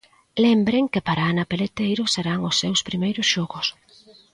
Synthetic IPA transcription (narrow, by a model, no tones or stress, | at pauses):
lembɾeŋkɪpaɾaːnapelet̪ejɾʊseɾaŋʊsːewspɾimejɾʊsʃɔɣʊs